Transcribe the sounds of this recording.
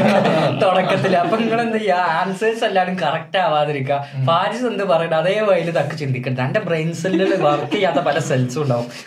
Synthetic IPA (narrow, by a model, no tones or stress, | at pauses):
t̪oɽɐkːɐt̪ːilɐpːɐŋiŋːɐɭend̪ijaaːnselsɐlːaːjɽumkɐrɐk̚ʈaːʋaːðɐɾik̬ʲːafaːɾisend̪ɨpɐrɐjuɳɖɐðeːʋɐjilɨt̪ɐkːɨt͡ɕind̪ikʲːuɳːɖɨt̪ɐɳɖebreːnsɐlʋɐrt̪ːijaːt̪ːɐpɐlɐselsɨuɳɖaːʋum